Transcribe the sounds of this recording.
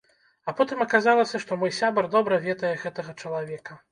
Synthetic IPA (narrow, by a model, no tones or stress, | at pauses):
ɐpɔt̪ɨmɐkazalˠɐsʲɐʂt̪ɔmɔjsʲabɐrd̪ɔbɾɐvʲɛt̪ɐjɛɣɛt̪ɐɣɐt͡ʂɐlˠavʲɛkɐ